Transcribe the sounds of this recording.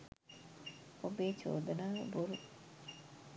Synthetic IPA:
ʔobeːt͡ʃo̰ːd̪ɐnaːboɾu

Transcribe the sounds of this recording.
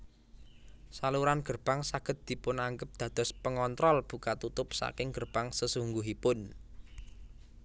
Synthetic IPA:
saluɾanɡ̥ərb̥a̤ŋsaɡ̥ə̤t̪̚d̪̥i̤pʊnaŋɡəp̚d̪̥ä̤d̪̥ɔ̤spəŋɔnt̪ɾɔlb̥ukat̪ut̪ʊp̚sa̰kɪŋɡ̥ərb̥aŋsəsuŋɡuɦipʊn

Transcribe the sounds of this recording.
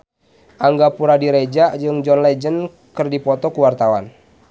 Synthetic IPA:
ʔaŋɡapuɾadiɾed͡ʒad͡ʒɨŋd͡ʒɔnlɛd͡ʒən | kɨrdipɔt̪ɔkuwart̪awa̰n

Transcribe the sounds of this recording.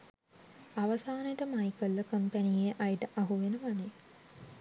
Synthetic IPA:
aʋɐsaːneʈəmaikəlːəkəmpænieʔajiʈəʔaɦuʋenəʋane

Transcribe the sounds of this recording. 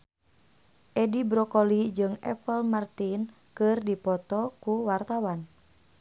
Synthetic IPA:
ʔɛdibɾɔkɔlid͡ʒɨŋɛ̰pəlmart̪in | kɨrdipɔt̪ɔkuwart̪awan

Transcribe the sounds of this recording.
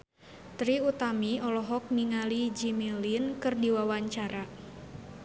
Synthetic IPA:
t̪ɾiut̪amiɔlɔɦɔk̚niŋalid͡ʒimilinkɨrdiwawaɲt͡ʃaɾa

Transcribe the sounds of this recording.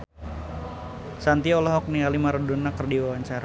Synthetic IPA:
sant̪iɔlɔɦɔk̚nialimaɾɔdɔnakərdiwawaɲt͡ʃaɾa

